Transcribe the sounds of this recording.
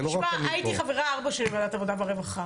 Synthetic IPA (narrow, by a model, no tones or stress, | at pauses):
maait̪iχaveʁaaʁbaʃelbeadatavod̪abeʁevaχa